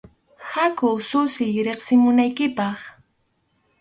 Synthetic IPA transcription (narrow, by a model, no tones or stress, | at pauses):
hakʊsʊsɪjɾeχsɪmʊnajkɪpɑχ